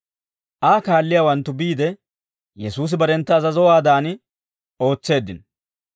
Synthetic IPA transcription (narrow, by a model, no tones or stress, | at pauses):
ʔaːkaːlːɪjaːwɐnt̪ːʊbiːd̪ɛ | jɛsuːs̬ɪbɐɾɛnt̪ːɐːzɐzɔwaːd̪aːn | o̞ːt͡sːe̞ːd̪ːɪn